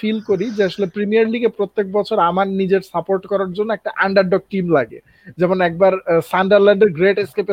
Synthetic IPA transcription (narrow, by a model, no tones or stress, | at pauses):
filkoɾid͡ʑeaʃolepɾimiaɾliɡepɾot̪ːek̚bɔt͡ɕʰoɾamaɾnid͡ʑeɾsapoɾʈkɔɾaɾd͡ʑonːoɛk̚ʈaʔaɳɖaɾɖɔk̚ʈimlaɡḛ | d͡ʑɛmonɛk̚baɾsaɳɖaɾlaɳɖeɾɡɾeʈeskepe